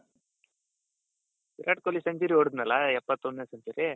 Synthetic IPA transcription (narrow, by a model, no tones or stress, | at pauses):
iɾʔaʈkolːisɐɲd͡ʒiɾioɽud̪nɐlɐɛpːɐt̪ːond̪neːsɐɲt͡ʃiɾi